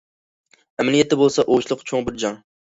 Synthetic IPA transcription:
æmlijat̪ɪbolˠsaʔoʃlˠʊqt͡ʃʰoŋbɪɾd͡ʒɑŋ

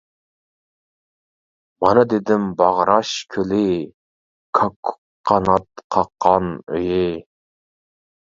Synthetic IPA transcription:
mɑnɨd̪ed̪ɪmbɑʁɾɑʃkʲʰølɪ | kʰɑkʰː | qʰːɑnɑt̪qʰɑqʰːɑnø̰jɪ

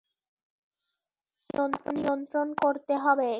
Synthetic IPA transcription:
ont̪onijont̪ɾonkoɾt̪eɦɔbe

